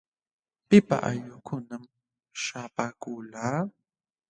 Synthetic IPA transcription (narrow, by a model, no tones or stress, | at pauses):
pɪpa̰ʔa̰ʎʊkʰʊnam | ʃaːpaːkʊːlaː